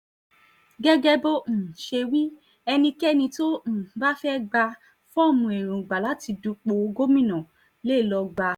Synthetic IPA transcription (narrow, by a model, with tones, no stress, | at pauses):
ɡɛ˦ɡɛ˦bo˦ñ̩˨ʃe˧wĩ˦ | ɛ˧nĩ˧kɛ˦˨nĩ˧to˦ñ̩˨˦ba˦fɛ˦ɡ͡ba˧ | fɔ˦˨mũ˧˨e˨ɾũ˨ɡ͡ba˨la˨˦ti˧du˧k͡po˧ɡo˦mĩ˦˨nã˨ | le˦˨lɔ˧ɡ͡ba˧